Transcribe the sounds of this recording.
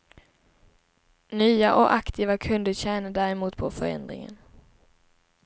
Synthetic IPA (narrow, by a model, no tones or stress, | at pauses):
nyːaʔɔkʔakt̪ʰiːvakʰɵnd̪əɾɕɛːnad̪æːɾɛmuːt̪pʰɔfœɾɛ̰nd̪ɾɪ̰ŋə̰n